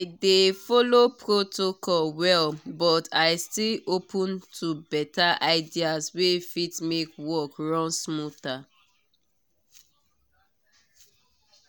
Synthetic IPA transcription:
aɪdefɔlopɹotʰokɔlwɛlbɔtʰaɪstilopʰɔ̃ntʰubɛtaʔaɪdiaswefitmekwɔkɹɔ̃nsmuta

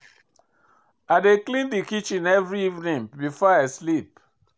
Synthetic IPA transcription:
aɪdeklĩndikit͡ʃĩnɛvɹiivnĩŋbifɔaɪslip̚

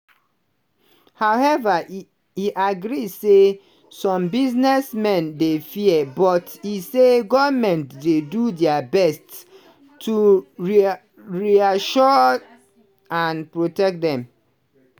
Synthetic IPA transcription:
hawɛva | iʔaɡɹise | sɔ̃mbiznɛsmɛ̃ndefiɛbɔtiseɡɔmɛ̃ntdedudɛabɛstː | uɹ | ɹiaʃɔ | ãnpɹotɛk̚dɛ̃m

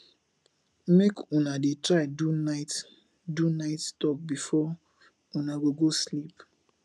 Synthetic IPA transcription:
mekʰunadetɹaɪdunaɪt | dunaɪtstɔp̚bifɔ | unaɡoɡoslip

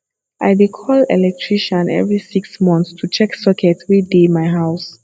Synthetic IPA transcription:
aɪdekʰɔlɛ̰lɛk̚tʰɹiʃɔ̃nɛ̰vɹisiksmɔ̃nθstʰut͡ʃɛksɔkʰɛtʰwidemaɪɦaʊs

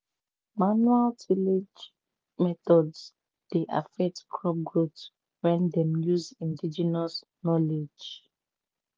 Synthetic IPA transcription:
manualtʰiled͡ʒ | mɛtɔds | d̥eʔa̰fɛk̚tkʰɹɔp̚ɡɹots | wɛ̃ndɛ̃mjuzĩndid͡ʒɛnas | nɔled͡ʒ

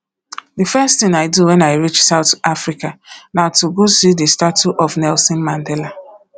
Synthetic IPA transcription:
difɛsttθɪ̃ŋaɪduwɛ̃naɪɹit͡ʃsaʊtafɾikanaʊtuɡosidistatuʔɔfnɛlsɔ̃nmãndɛla

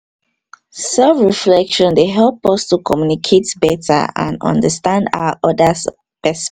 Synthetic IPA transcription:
sɛlfɹiflɛkʃɔ̃ndeɦɛlˠpɔstukʰɔmjunikʰetbɛtʰə̰ã̰nɔ̰̃ndəstãnda̰wəʔɔdəs | pɛs

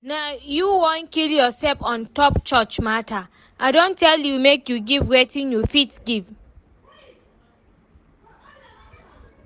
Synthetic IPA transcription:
najuwõnkiljɔsɛlfɔ̃ntɔpt͡ʃɔt͡ʃmatʰa | ʔaɪdõntɛljumekjuɡivɹetĩnjɔfitsɡiv

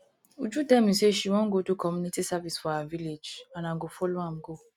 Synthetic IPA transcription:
ud͡ʒudɛmĩseʃiwɔ̃ɡotokʰɔmũnitisavisfɔaaviled͡ʒanãɡofoloãm̩ɡo

